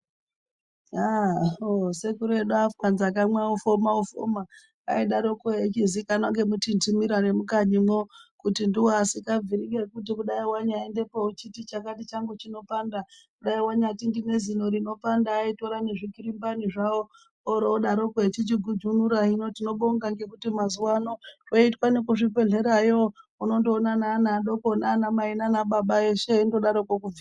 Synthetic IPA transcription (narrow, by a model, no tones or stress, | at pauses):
aose̞kuɾeɗuafanzak̬amwaufomaufo̰ma | a̰iɗaɾo̞kojet͡ʃizikanoŋɡe̞mutintimiɾane̞mukaɲimokutindiwasikab͡viɾiɡekut̬ikuɗaiwaɲaende̞pout͡ʃitit͡ʃakatit͡ʃaŋɡut͡ʃino̞pandakuɗaiwaɲatindine̞zinoɾino̞pandaːito̞ɾaneʐikiɾimbaniʐawoː | ɾoːɗaɾo̞ket͡ʃit͡ʃiɡʱud͡ʒunuɾaɦinotino̞ɓoŋɡaŋɡe̞kutimazuwanoroitwanekuʐipe̞ɮe̞ɾajouno̞ndoːnanaːnaːɗo̞konaːnamainanaɓaɓaeʃe̞indoɗaɾokokuvia